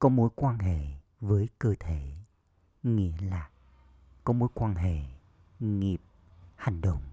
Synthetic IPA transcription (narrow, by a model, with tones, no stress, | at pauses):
kɔ˨˦mo˨˦jkwaː˧nɦḛ˧˨ | vəː˨˦jkəː˧t̪ʰe˧˩˨ | ŋḭ˧˥əlaː˨˩ | kɔ˨˦mo˨˦jkwaː˧nɦḛ˧˨ | ŋi˨˩əp̚ | ha˨˩ŋ̟ɗə̰˧˨wŋ͡m